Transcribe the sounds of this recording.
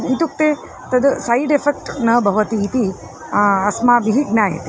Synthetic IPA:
it̪uk̚t̪e | t̪ɐd̪saiɖefek̚ʈnɐbʱɐʋət̪iːt̪i | ɐsmabiɦiɡnaḛt̪i̥

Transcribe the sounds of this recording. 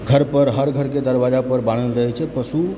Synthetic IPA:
ɡʱəɾpəɾɦəɾɡʱəɾked̪əɾbad͡ʒapəɾbaɽ̃əlɾəɦɛt͡ʃʰɛpəsu

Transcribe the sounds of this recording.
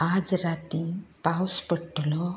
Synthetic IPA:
ad͡zɾat̪ĩpawspəʈlɔ

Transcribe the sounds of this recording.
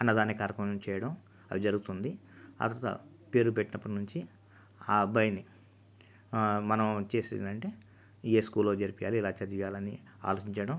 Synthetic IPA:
ɐnːɐd̪aːnːikaːɾɐkɐnmt͡ʃɛːjɐɽɐm | ɐ̰ʋid͡ʒɐɾuɡut̪und̪ia̰ːt̪ɐɾt̪ɐ̰ | pe̞ːɾupeʈːinɐpːɐʈinuɲt͡ʃi | aːbɐjɐni | mɐnɐmt͡ʃeːsḭːnɐɳʈe̞ː | eːskuːlːoːd͡ʒɐɾpijaːlilaːt͡ʃɐd̪ijaːlɐnḭ | a̰ːloːt͡ʃiɲt͡ʃɐɽɐm

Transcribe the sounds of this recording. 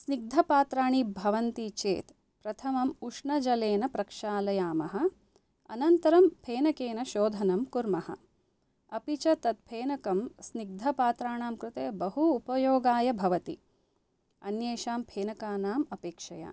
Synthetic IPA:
sniɡ̚d̪ʱɐpaːt̪ɾaːɳibʱɐʋɐnt̪it͡ʃḛːt̪ | pɾɐt̪ʰɐmɐmuʂɳɐd͡ʒɐleːnɐpɾɐkʂaːlɐjaːmɐɦɐ̆ | ɐ̰nɐnt̪ɐɾɐmpʰeːnɐkeːnɐʃoːd̪ʱɐnɐmkuɾmɐhɐ̰ | ɐpit͡ʃɐt̪ɐt̪̚pʰeːnɐkɐmsniɡ̚d̪ʱɐpaːt̪ɾaːɳaːmkɾɪt̪eːbɐɦuːpɐjoːɡaːjɐbʱɐʋɐt̪ḭ | ɐnjeːʃaːmpʰeːnɐkaːnaːmɐpeːkʂɐja̰ː

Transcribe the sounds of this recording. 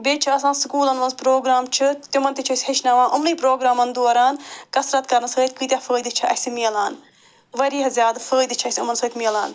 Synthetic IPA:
beːt͡ʃʰiɐs̬ãːnsɨkuːlɐnʋɐnzpɾoːɡɾaːmt͡ʃʰɨt̪umɐnt̪it͡ʃʰːsʲheʃnaːʋãːʔɐmniːpɾoːɡɾaːmɐnd̪oːɾaːnkɐsɾɐt̪kɐɾnɐsəːt̪̚kɨt̪ʲjafəːd̪it͡ʃʰiɐ̰simiːlaːn | ʋɐɾiːɦɐzʲjaːd̪fəːjd̪it͡ʃʰiɐsʲiɐmɐnsəːt̪miːlaːn

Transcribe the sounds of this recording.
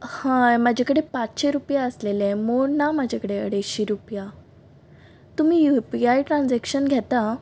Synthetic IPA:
hãmad͡ʑʱekəɽepat͡sɕeɾupjaəslelẽmoɾnamad͡ʑʱekəɽeə̰ɽeɕiːɾupja | t̪um̤iːjupiajʈɾand͡zɛkɕənɡʱɛt̪a

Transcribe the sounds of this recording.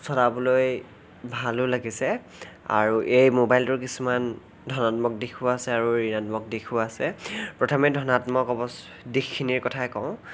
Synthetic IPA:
sʰɔɾabuloj | bʱalʊlaɡisɛ | a̰ɹuʔejmobajltʊɹkisuman | dʱɔnatmɔk̚dikʰʊasɛaɹuɹinatmɔk̚dikʰʊasɛpɹɔtʰɔmɛdʱɔnatmɔkɔbɔs | dixʰːiniɹkɔtʰajkɔʊ̃

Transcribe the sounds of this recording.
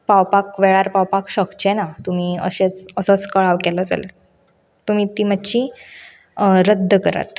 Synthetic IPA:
pawpakʋeɭaɾpawpakɕəkt͡ɕenat̪um̤iːə̰ɕet͡səsət͡skəɭaʋkɛləd͡za̰lə̰ | t̪um̤iːt̪imətːt͡ɕi | ɾəd̪ʱːəkəɾa̰t̪

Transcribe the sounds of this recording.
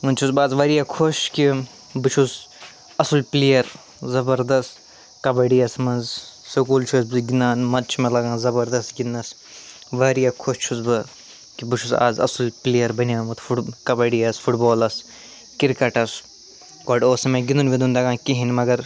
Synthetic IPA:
unt͡ʃʰusbaːzʋɐɾijakʰoʃki | bɨt͡ʃʰuz | ɐsulpliːjɐɾ | zɐbɐɾd̪ɐst̪ | kɐbɐɖijɐsmɐnzsɐkuːlt͡ʃʰuɐsbɨɡinaːnmɐt̪t͡ʃʰimɐlɐɡãːzɐbɐɾd̪ɐst̪ɡinːɐs | ʋɐːɾijakʰoʃt͡ʃʰuzbɨ | kibɨt͡ʃʰuza̰ːzɐ̰sulpliːjɐɾbɐnʲjaːmɐt̪ʰfuʈkɐbɐɽiɐsfʰuʈboːlɐs | kiɾkɐʈɐs | koːɖoːsɐmẽɡind̪unʋid̪und̪ɐɡãːkiɦinmɐɡɐɾ

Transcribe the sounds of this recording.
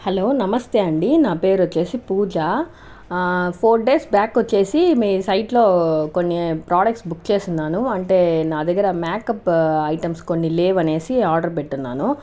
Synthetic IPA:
hɐlo̞ːnɐmɐst̪eːɐɳɖinaːpe̞ːɾot͡ʃːe̞ːsipuːd͡ʒaː | pʰoːɾɖe̞ːsbjaːkːot͡ʃːe̞ːsimiːsɐjʈlo̞ːko̞nːipɾaːɖɐk̚ʈsbukːt͡ʃe̞ːsinːaːnuɐɳʈe̞ːnaːd̪ɐɡːɐɾɐmaːkɐpɐjʈɐmsko̞nːileːʋɐne̞ːsiaːɾɖɐɾp̬eʈːunːa̰ːnu

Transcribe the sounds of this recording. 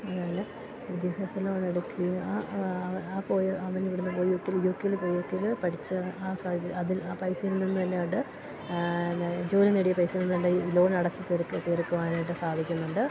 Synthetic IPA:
ɐðaːjɐlːɐ | id̪jɐbɐsɐlɐʋɐɳeɽukːia | aːpoːjɐʋɐniʋiɽunːɨpo̞ːjiokːiljokːejilpo̞ːjiokːejilpɐʈʰit͡ɕːɨaːsaːd̪ʱit͡ɕːɐðilaːpɐjsɨjilninːɨt̪ɐnːeuɳʈːɨ | d͡ʑo̞ːlɐneɽijɐpɐjsijlninːɨt̪ɐnːelo̞ːnɐɽɐt͡ɕːɨt̪erkːt̪eːrkːuʋaːnaːjʈːɨsaːd̪ʱikʲːunːuɳɖɨ

